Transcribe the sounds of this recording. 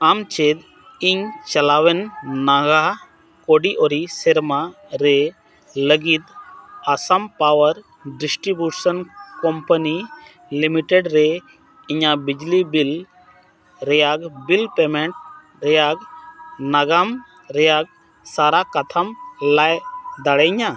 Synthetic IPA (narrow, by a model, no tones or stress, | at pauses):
amt͡ʃed̪ | iŋt͡ʃɐlaːʋenːaɡa | koɽiʔoɾiseɾma | ɾe | ləɡit̪asampaːʋəɾ | ɖɪsʈɾibjusənkɔmpəni | limiʈeɖɾe | iɲabid͡ʒlibil | ɾɛjaɡbilpemɛɳʈ̚ | ɾɛjaɡnaɡam | ɾɛjaɡ̚ | saɾakat̪ʰamlajd̪aɽɛɲa